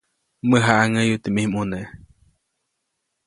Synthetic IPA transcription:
məɦaʔaŋəjut̪imihmune

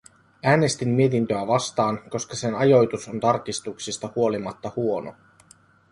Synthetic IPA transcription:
æːne̞st̪imːiet̪int̪øæʋɑst̪ɑːnko̞skɑse̞nɑjo̞jt̪uso̞nt̪ɑrk̟ist̪uksist̪ɑhuo̞limɑt̪ːɑhuo̞no̰

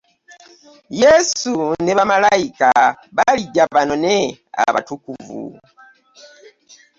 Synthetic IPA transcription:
jɛsuneβamalaika | βaliɟaβanonea̰βa̰tukuvṵ

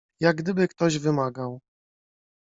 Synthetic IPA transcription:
jaɡd̪ɘbɘkt̪ɔʑvɘmaɡaw

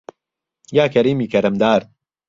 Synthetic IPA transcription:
jaːkɐɾiːmiːkʰɐɾɐmd̪aːɾ

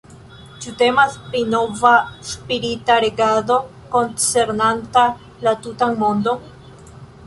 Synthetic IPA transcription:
t͡ʃute̞maspɾino̞vaspiɾitaɾeɡado̞ | kont͡se̞ɾnanta | latutaŋmo̞ndo̞

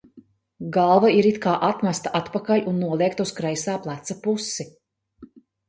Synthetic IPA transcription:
ɡalˠvaiɾit̪kaːʔat̪mæst̪aʔat̪pakalʲunːuɔlˠiɛkt̪uskɾajsaːplˠat̪sapusːi

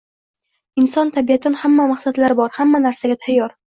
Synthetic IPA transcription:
ɪnsɒnt̪ʰabijat̪ʰɪnhamːamaχsad̪laɾɪbɒɾhamːanaɾsaɡʲat̪ʰajːɒɾ

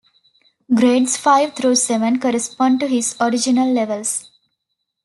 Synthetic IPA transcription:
ɡɾeːɖsfaɪʋt̪ʰɾuːseʋə̃nkɔɾespɔ̃ːɳɖ̚ʈuɦɪzɔɾɪd͡ʒinəlːeʋəls

